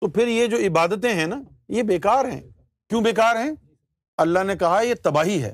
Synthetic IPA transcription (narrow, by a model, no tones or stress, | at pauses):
t̪oːpʰɪɾjed͡ʒoːɪbaːd̪ət̪̬ẽɦɛ̃naː | jebeːkaːɾɦɛ̰̃ː | kjũːbeːkaːɾɦɛ̃ː | ɐlːaɦnekɐɦaɛjet̪ɐbaːɦiɦɛ̰ː